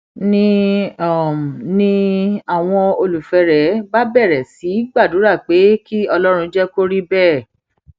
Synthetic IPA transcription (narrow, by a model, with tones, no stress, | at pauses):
nĩ˦ɔ˦˨m˨nĩ˦a˦˨w̃ɔ̃˧o˧lu˨fɛ˧ɾɛ˨˦ba˦bɛ˦˨ɾɛ˨si˨˦ɡ͡ba˦˨du˨˦ɾa˦˨k͡pe˨˦ki˦ɔ˧lɔ˦ɾ̃ũ˧d͡ʒɛ˦ko˦ɾi˦bɛː˦˨